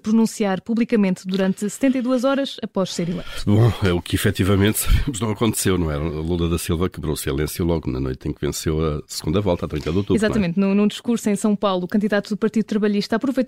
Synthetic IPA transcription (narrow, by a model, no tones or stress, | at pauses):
pɾunũsiaɾpuβlˠikɐmẽnt̪d̪uɾɐ̃nt̪ɨsɨ̥t̪ẽnt̪ɐjðuɐzɔɾɐʃɐpɔʃseɾilˠɛ̰̃bõɛukifɛt̪ivɐmẽnt̪sɐβemʊʒnɐ̃w̃ɐkõnt̪sewnɐ̃w̃ɛɾɐɐlˠũlˠd̪ɐðɐsilˠvɐkɨβɾosilˠẽsjulˠɔɣunɐ̰no̰jt̪ẽkvẽsewɐsɨɣũnd̪ɐvɔlˠt̪at̪ɾĩkɐðot̪uizat̪ɐmẽnt̪nũnũd̪iʃkuɾsuɐ̃j̃sɐ̃w̃pawlˠukɐ̃nd̪iðat̪uðupɐɾt̪iðut̪ɾɐβɐʎiʃt̪ɐaːpɾuvɐjt̪